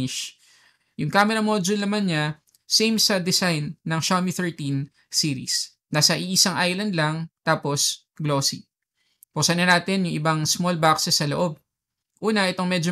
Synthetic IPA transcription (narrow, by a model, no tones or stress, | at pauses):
ɪʃ | jʊŋkamɛɾɐmod͡ʒʊlnɐmanɲa | sejmsɐd̪ɛsajnːɐŋʃamiθɛɹt̪ĩn | siːɾḭs | nasɐʔiʔɪsaŋʔajlɐnd̪lɐŋt̪aːpo̞s | ɡloːsḭ | posɐnɐnaːt̪ɪnjʊŋʔɪbɐŋsmolbaksɛsːɐloʔo̞b̚ | ʔuːnɐʔɛt̪o̞ŋmɛd͡ʒo